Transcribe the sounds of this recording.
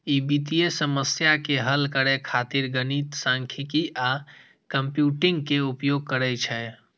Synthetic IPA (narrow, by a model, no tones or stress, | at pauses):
ibit̪ijesəməsjakeɦəlkəɾɛkʰat̪iɾɡənit̪sãŋkʰikiʔa | kəmpjuʈiŋɡkeupjoɡ̚kəɾɛt͡ʃʰɛ